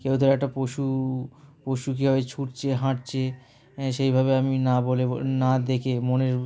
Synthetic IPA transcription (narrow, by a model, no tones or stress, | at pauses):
kewt̪ʰoɾɛk̚ʈapoʃu | poʃuk̬iɦɔbet͡ɕʰuʈt͡ɕʰeɦãʈ̚t͡ɕʰe | ʃejbʱabeaminabolḛnad̪ekʰemoneɾ